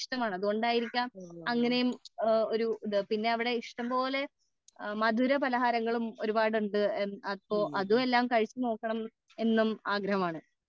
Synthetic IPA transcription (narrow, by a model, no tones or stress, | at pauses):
ʂʈɐmaːɳɨɐðuɣo̞ɳɖaːjiɾikʲːaɐŋːɐnejumoɾuɨpinːe̞ɐʋiɽe̞iʂʈɐmpo̞ːle̞ | mɐd̪ʱuɾɐpɐlɐɦaːɾɐŋːɐɭumo̞ɾubaːɽuɳɖɨenɐpːoːʔɐðue̞lːaːmkɐɻit͡ɕːɨno̞ːkːɐɳɐm | e̞nːumaːɡɾɐɦɐmaːɳɨ